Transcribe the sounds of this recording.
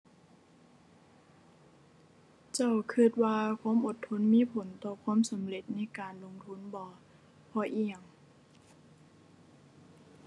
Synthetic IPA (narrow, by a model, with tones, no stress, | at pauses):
t͡ɕa˧˩˨wkʰɯ˧˩t̪̚waː˧kʰwaː˧˥˨mʔo˨˩t̪ʰːo˧˥˨nmiː˧˥˨pʰo˨˦nt̪ɔː˧˩kʰwaː˧˥˨msa˨˦mle˧˩t̪̚na˧˥˩kaː˨nlo˧ŋt̪ʰu˧˥˨nbɔː˨˧˦ | pʰɔː˧˦ʔiː˧˩ja˨˧˩ŋ